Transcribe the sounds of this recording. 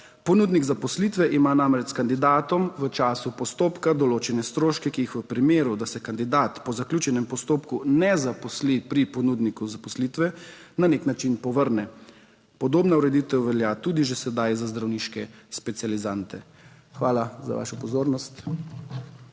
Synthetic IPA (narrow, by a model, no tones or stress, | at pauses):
pɔnuːd̪niɡzapɔslit̪ʋɛʔimanamɾɛt͡ʃskand̪id̪aːt̪ɔmʋət͡ʃaːsupɔst̪oːpkad̪ɔloːt͡ʃɛnɛst̪ɾoːʃkɛkiixʋəpɾimeːɾud̪asɛkand̪id̪aːt̪pɔzaklʲjuːt͡ʃɛnɛmpɔst̪oːpkunɛzapɔslipɾipɔnud̪nikuzapɔslit̪ʋɛnaneknat͡ʃinpɔʋəɾnɛ | pɔd̪oːbnauɾɛd̪it̪ɛwʋɛljat̪uːd̪iʒɛsɛd̪ajzazd̪ɾawniʃkɛspɛt̪sijalizant̪ɛ | xʋaːlaza̰ʋa̰ːʃɔpɔzoːɾnɔst̪